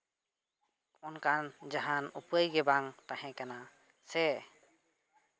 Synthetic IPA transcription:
ɔnkand͡ʒaɦanupajɡɛbaŋt̪aɦɛ̃kana | sɛ

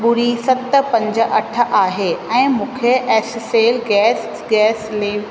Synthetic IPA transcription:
ɓʊɾisɐt̪pɐ̃ɲd͡ʑəʔɐʈʰə̆ʔaːɦeɛ̃ːmũːkʰeʔɛːsseːlɡɛːs | ɡɛːsleːʋ

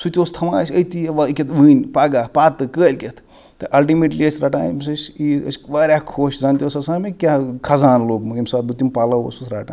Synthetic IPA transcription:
sut̪ʲoːst̪ʰɐmaːsʲɐjt̪ijʋɐkʲet̪ʋɨːnʲpaɡapaːt̪ɨkəːlʲkʲet̪ʰ | t̪ːɨʔɐlʈimeːʈliəsʲɾɐʈaːnmsɐsʲiɐ̰sʲʋɐːɾʲakʰoːʃzɐnt̪ʲosɐsaːmekʲakʰɐzaːnloːbmɨimsaːt̪̚but̪ːimpɐlɐʋo̰ːsusɾaːʈa̰ː

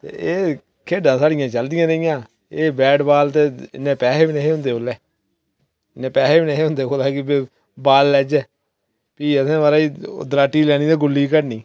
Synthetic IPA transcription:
t̪ḛːeː | kʰeːɖãːsaːɽɪjãːt͡ʃəld̪ɪjãːnəɪjãː | eːbɛːʈbaːlt̪eːɪ̰nẽːpɛːɦeːbiːneɦeːɦʊ̃nd̪eːoːleː | ɪnːẽːpɛːɦeːbiːneːɦeːɦʊ̃nd̪eːkoːlaːkɪbeː | baːlːɛːd͡ʒɛː | piːəsẽːʋaːɾaːḭːd̪ɾaːʈːiːlɛːɽ̃iːt̪ẽːɡʊlːiːkəɾniː

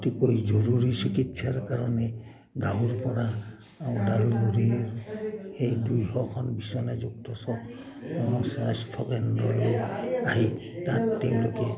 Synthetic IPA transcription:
tikojzɔɹuɹisikitsaɹkaɹɔnɛ | ɡawɹpɔɾa | adalɡuɾiɹhejdujhɔkʰɔnbisɔnazuk̚tɔsɔ | ɔsastʰɔkɛndɹɔlojaɦi | tatːɛw̃lokɛ

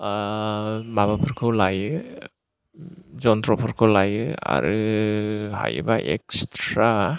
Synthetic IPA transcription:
mabapʰɯɾkʰɯwlajɯ | zɔnt̪ɾɔpʰɔɾkʰɯwlajɯa̰ɾɯ | ha̰jɯ̰baʔekstɾa

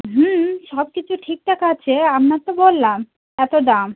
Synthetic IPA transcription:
ɦm̩ʃɔb̚kit͡ɕʰuʈʰik̚ʈakaat͡ɕʰeamnat̪obolːam | ɛt̪od̪am

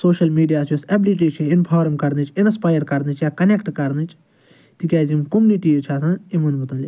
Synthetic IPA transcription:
soːʃɐlmiːɖijaːsʰjusɐbliʈ̬iːt͡ʃʰiɪnpʰaːɾmkɐɾnit͡ʃʰinspaːjəɾkɐɾnɨt͡ʃʰjaːkɐnekʈkɐɾnɨt͡ʃʰ | t̪ikʲaːzimkomuniʈiːt͡ʃʰaːsãːimunbut̪ɐ̃li

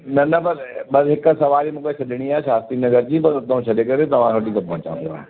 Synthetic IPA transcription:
nɐnɐbɐɾɓɐsɦɪksɐʋaːɾimũːkesɐɗʱɪɽ̃iaːeʃaːst̪inɐzəɾd͡ʑĩpɐɾt̪ɐɦũʃʰɐɗekɐɾet̪ɐʋ̤ãsʰoːʈit̪ãpɐ̃ɦʊ̃t͡ɕã̰nd̪o̰aːɦe

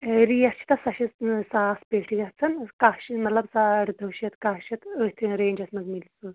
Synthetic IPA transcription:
eɾijɐst͡ʃʰi̥t̪ɐsɐʃisaːspeʈʰiɡɐt͡sʰɐnkaːʃimɐt̪lɐbsaːɽd̪ɐwʃɐt̪kaːʃɐt̪əːt̪ʰɨɾeːnʲd͡ʒɐsmɐzmilsɨ

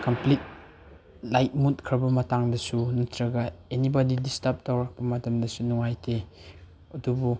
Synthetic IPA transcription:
kʰɐmplit̚ | lajt̚mut̚kʰɾɐbɐmɐtaŋdɐsunutʰɾɐɡɐenibadidistɐp̚towɾɐk̚pɐmɐtɐmdɐsunuŋajtʰe | ɐdubu

